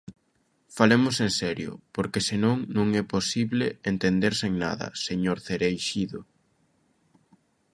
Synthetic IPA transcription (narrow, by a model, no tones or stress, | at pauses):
falemʊsensɛɾjʊ̰poɾkesɪnõŋnõŋɛposiβleent̪end̪eɾseŋna̰ðɐ̰seɲoɾθeɾejʃiðʊ